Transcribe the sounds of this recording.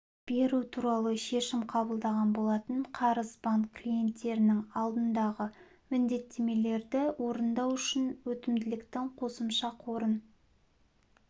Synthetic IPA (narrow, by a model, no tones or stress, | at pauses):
b̥e̞ɾut̪ʰuɾɑlˠəʃe̞ʃɪmqʰɑbəlˠd̪ɑʁɑnbo̞lˠɑt̪əɴqʰɑɾəzbɑŋkʰlʲije̞nt̪ːe̞ɾɪnɪŋɑlˠd̪ənd̪ɑʁə | mɪnd̪e̞t̪ʰːe̞me̞le̞ɾd̪ɪwo̞ɾənd̪ɑwʏʃɪnwɵt̪ɪmd̪ɪlɪkt̪ɪŋqʰo̞səmʃɑqʰo̞ɾən